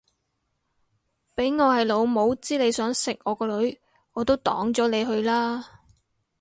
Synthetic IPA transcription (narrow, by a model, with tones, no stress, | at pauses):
pe˨˥jŋɔː˨˧hɐ˨jlo˨˧wmo˨˧wt͡siː˥le˨˧jsœː˨˥ŋsɪ˨k̚ŋɔː˨˧kɔː˧lɵ˨˥ɥ | ŋɔː˨˧t̪o˥wt̪ɔ̰ː˨˥ŋt͡sɔː˨˥le˨˧jɦɵ˧ɥlaː˥